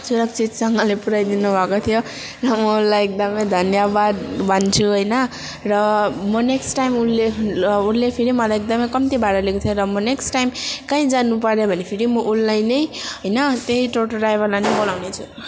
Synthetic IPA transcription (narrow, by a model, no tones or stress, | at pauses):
suɾʌkt͡sit͡ssʌŋɡʌlepuɾajd̪inubʱʌkot̪ʰijo | rʌmʌulajek̚d̪ʌmʌjd̪ʱʌnjabad̪bʱʌnt͡sʰuɦʌjnʌ | rʌmʌneksʈʈajmunleunlepʰiɾimʌlajek̚d̪ʌmʌjkʌmt̪ibʱaɾʌlekut̪ʰʌɾʌmʌneksʈʈajmkaĩd͡zanupʌɾjobʱʌnepʰiɾimʌʔulːajnʌjɦʌjnʌt̪eɦiʈoʈoɖajbʱʌrlajnʌjbolawnet͡sʰu